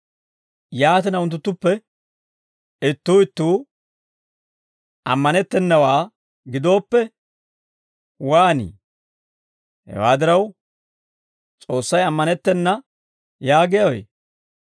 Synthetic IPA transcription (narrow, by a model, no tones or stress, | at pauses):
jaːt̪ɪnɐʊnt̪̬ːʊt̪ːʊpːɛ | ɪt̪ːuːɪt̪ːuː | ʔɐ̰mːɐnɛt̪ːɛnːɐwaː | ɡɪd̪o̞ːpːɛ | waːnḭː | hɛ̰wa̰ːd̪ɪɾɐw | t͡sʼo̞ːsːɐjɐmːɐnɛt̪ːɛnːɐ | jaːɡɛjɐwḛ